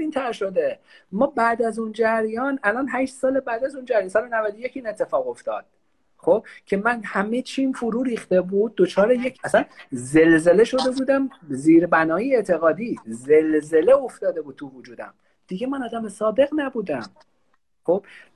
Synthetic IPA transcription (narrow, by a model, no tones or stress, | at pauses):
iːnt̪ʰæɾʃo̞d̪e | mɒːbæʔd̪æzund͡ʒæɾijɒːnælɒːnɦæʃt̪sɒːlebæːd̪æzund͡ʒæɾjɑnsɒːlenævæd̪oje̞ciːne̞t̪ʰːe̞fɒːɣo̞ft̪ɒːd̪̥̚ | χo̞b̥̚cʰe̞mænhæmet͡ʃʰiːmfoɾuːɾiːxt̪e̞buːd̪̚ːot͡ʃʰɒːɾeje̞cʰæsænze̞lze̞le̞ʃo̞d̪e̞buːd̪æmziːɾbænɒːjieʔt̪ʰe̞ɣɒːd̪iːzelze̞leo̞ft̪ɒːd̪e̞buːd̪̚t̪ʰuvud͡ʒuːd̪æ̰m | d̪̥iɟe̞mænɒːd̪æmesɒːd̪e̞ɣnæbuːd̪æm | xo̞b̥